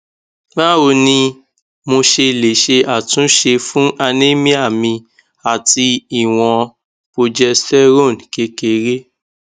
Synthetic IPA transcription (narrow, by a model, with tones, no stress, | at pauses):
la˦o˧nĩ˧ | mo˧ʃe˧˨le˨ʃe˧a˨tũ˨˦ʃe˧fũ˦ʔa˧nẽ˦mĩ˦a˦˨mĩ˧ | a˨ti˧i˦˨w̃ɔ̃˧ | po˧d͡ʒɛ˧ssɛ˦ɾo˦˨n˨ke˧˦ke˨˦ɾe˦